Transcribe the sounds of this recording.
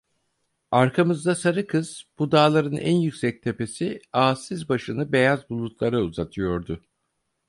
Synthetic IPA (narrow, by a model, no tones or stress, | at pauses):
aɾkʰamɯzd̪asaɾɯkʰɯz̥b̥ud̪aːlˠaɾɯnʔæ̰njycsɛc̚t̪ʰe̞pe̞siaːsizbaʃɯnɯbe̞jazbulˠut̪lˠaɾauzat̪ʰɯjo̞ɾd̪ʊ